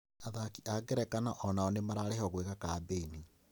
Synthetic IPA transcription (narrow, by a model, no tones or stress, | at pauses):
aðakiʔaɡɛɾɛkanaʔɔnaɔnemaɾaɾehɔɣweɣakabeini